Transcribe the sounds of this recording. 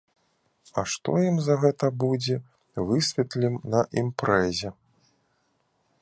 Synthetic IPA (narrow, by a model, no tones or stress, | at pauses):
ɐʂt̪ɔ̰jimzɐɣɛt̪ɐbud͡zʲɛ | vɨsʲvʲɛt̪lʲimnɐʔimpɾɛzʲɛ